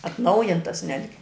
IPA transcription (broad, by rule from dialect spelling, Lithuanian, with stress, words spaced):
ɐtˈnɐʊjɪntɐs ˈnʲæːdʲɡʲɪ